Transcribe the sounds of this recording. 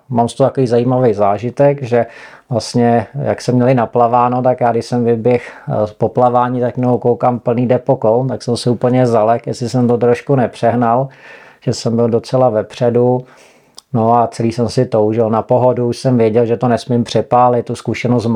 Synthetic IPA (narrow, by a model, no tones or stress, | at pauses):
maːmst̪ot̪akoviːzaiːmavɛjzaːʒɪt̪ɛkʒɛ | vlast̪ɲɛja̰ksɛmɲɛlɪnaplavaːnot̪akjaːɡdɪʃsɛmvɪbjɛxpoplavaːɲit̪akjnowkowkaːmpl̩niːdɛpokowt̪aksɛmsɪuːpl̩ɲɛzalɛkjɛsɪsɛmt̪ot̪ɾoʃkunɛpr̝̥ɛɦnalʒ̥ɛsɛmbɪldo̞t͡sɛlavɛpr̝̥ɛdu | noat͡sɛliːsɛmsɪt̪o̞wʒɪlnapoɦoduuʃsɛmvjɛɟɛlʒɛt̪onɛsmɪmpr̝̥ɛpaːlɪt̪̚t̪ːuskuʃɛnost̪m